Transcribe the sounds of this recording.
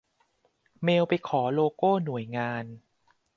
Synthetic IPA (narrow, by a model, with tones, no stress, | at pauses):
meː˧wpa˧jkʰɔː˩˦loː˧koː˥˩nu˨˩˦əjŋaː˧n